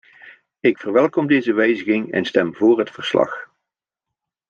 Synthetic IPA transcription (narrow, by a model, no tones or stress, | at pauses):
ɪkfərʋɛlˠkɔmdejzəʋɛjzəɣɪŋɛ̰nstɛmvoːrɦətfəɹslɑ̰χ